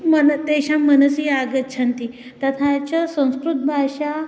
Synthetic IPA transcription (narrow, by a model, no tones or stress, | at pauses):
mənd̪eɕamənəsiaɡət̪t͡ɕʰant̪i | t̪ət̪ʰat͡ɕəsə̃w̃skɾut̪̚bʱaʂa